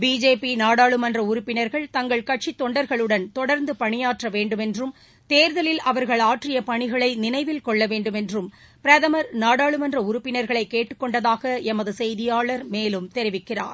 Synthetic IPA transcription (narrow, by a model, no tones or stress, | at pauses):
biːd͡ʒeːpinaːɽaːɭɯmɐndrɐʊɾʊpːɪnɐɾɣɐɭt̪ɐŋɡɐɭkɐʈ̚t͡ʃit̪ːɔɳɖɐɾɣɐɭɯɽɐnt̪ɔɽɐɾnd̪ɯpɐɳɪjaːʈrɐʋeːɳɖɯmɛndrɯm | t̪eːɾðɐlɪlɐʋɐɾɣɐɭaːʈrɪjɐpɐɳɪɣɐɭɐɪnɪnɐɪʋɪlkɔɭːɐʋeːɳɖɯmɛndrɯm | pɪɾɐðɐmɐɾnaːɽaːɭɯmɐndrɐʊɾʊpːɪnɐɾɣɐɭɐɪkːeːʈːɯkːɔɳɖɐðaːɣɐɛmɐðɯsɛjðɪjaːɭɐɾmeːlɯmt̪ɛɾɪʋɪkːɪra̰ːɾ